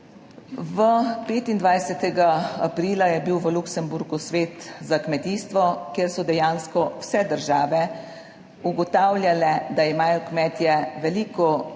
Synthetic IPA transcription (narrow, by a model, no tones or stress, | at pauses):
ʋəpeːt̪ind̪ʋajsɛt̪ɛɡaapɾiːlajɛbiwʋəluksɛmbuɾɡusʋeːt̪zakmɛt̪iːst̪ʋɔkjeːɾsɔd̪ɛjaːnskɔwsɛd̪əɾʒaːʋɛ | uɡɔt̪aːwlʲjalɛd̪aimaːjɔkmɛt̪jɛʋɛliːkɔ